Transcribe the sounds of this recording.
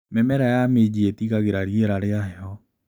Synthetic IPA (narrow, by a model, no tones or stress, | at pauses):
mɛmɛɾajamed͡ʑietiɣaɣeɾaɾieɾaɾeaɦɛɔ